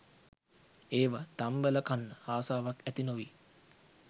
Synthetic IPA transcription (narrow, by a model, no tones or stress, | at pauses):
eːʋat̪ambæləkanːəaːsaːʋakæt̪inoʋi